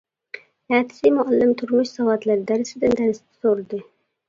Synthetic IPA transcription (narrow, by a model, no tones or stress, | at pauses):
æt̪ʰɪ̥simʊɑlːɪmt̪ʰʊɾmʊʃsɑwɑt̪læɾɪd̪æɾɪsɪd̪ɪnd̪æɾɪsd̪ɛ̥soɾlˠd̪ɨ